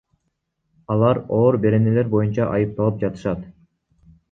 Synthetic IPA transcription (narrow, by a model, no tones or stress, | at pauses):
ɑlˠɑɾoːɾbe̞ɾe̞ne̞le̞ɾbo̞junt͡ʃɑʔɑjɯp̚t̪ɑlˠɯp̚d͡ʒɑt̪ɯ̥ʃɑt̪